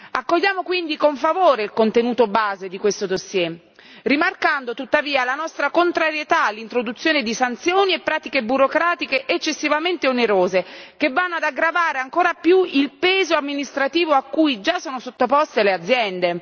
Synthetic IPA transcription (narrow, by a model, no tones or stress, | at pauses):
akːoʎːaːmokwind̪ikoɱfavoːɾeilkont̪enuːt̪obaːzed̪ikwest̪od̪osːjɛ | rimarkand̪ot̪ut̪ːaviːalanɔst̪ɾakont̪ɾaɾjet̪aːlːint̪ɾod̪ut̪sːjoːned̪isant̪sjoːniepːɾaːt̪ikebuɾokɾaːt̪ikeʔet͡ʃːesːivament̪eoneɾoːzekevːanːoad̪aɡɾavaːɾeaŋkoːɾapjuilpeːzoamːinist̪ɾat̪iːvoakːujd͡ʒasːoːnosot̪ːopɔst̪elead̪zjɛnd̪e